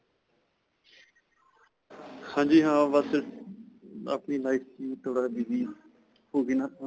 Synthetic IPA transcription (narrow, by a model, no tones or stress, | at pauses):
hãːd͡ʒiːɦãːʋasə | a̰pniːlaːɪfʰit̪ʰoːɽaːbiːʋiː | hoːɡiːnaː